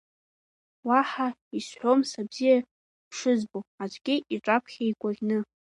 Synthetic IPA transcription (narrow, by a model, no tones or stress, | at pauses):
waħaisħʷomsabz̥ija | pʰʂɨzboat͡ʃʷʼɡʲɪʔiʈ͡ʂʷʼapʰχʲaikʷʼarʲnɨ